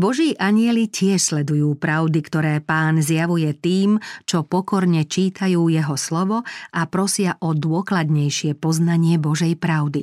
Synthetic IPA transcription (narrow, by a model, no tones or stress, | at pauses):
bɔʒiːʔaɲɪɛlicɪɛʃslɛd̪ujuːpɾaʊd̪ikt̪ɔɾɛːpaːnzjaʋujɛt̪iːmt͡ʃɔpɔkɔɾɲɛt͡ʃiːt̪ʰajuːjɛɦɔslɔʋɔʔapɾɔsɪaʔɔd̪ʊɔklad̪ɲɛjʃɪɛpɔznaɲɪɛbɔʒɛjpɾaʊd̪i